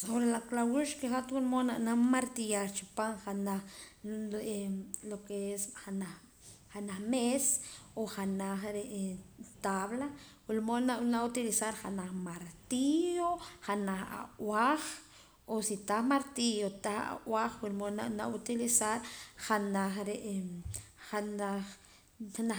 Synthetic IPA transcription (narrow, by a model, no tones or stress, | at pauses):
soβɾelaklawuʃkeχat̪wulmonaʔnamaɾt̪ijaɾt͡ʃu̥paŋχanaχ | lokeesana | χanaχmesoχanaχɾeʔt̪aβla | wilmonanaut̪ilisaɾχanaχmaɾt̪ioχanaχa̰ʔwaχ | osit̪aχmaɾt̪ijot̪aχa̰ʔwaχwilmonaʔnaʔut̪ilisaɾχanaχɾeʔ | ana | ana